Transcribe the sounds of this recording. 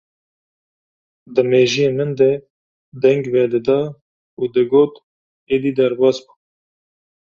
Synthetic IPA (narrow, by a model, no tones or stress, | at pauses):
d̪ɨmeːʒijeːmɨnd̪ɛ | d̪ɛŋɡvɛd̪ɨd̪ɑː | uːd̪ɨɡoːt̪ | eːd̪iːd̪ɛɾbɑːsbu